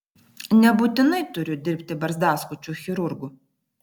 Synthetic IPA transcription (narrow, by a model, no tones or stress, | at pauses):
nʲɛbut̪ʲɪnɐɪt̪ʊɾʲʊd̪ʲɪɾʲpʲt̪ʲɪbɐɾzd̪aːskʊt͡ʃʲuxʲɪɾʊɾɡʊ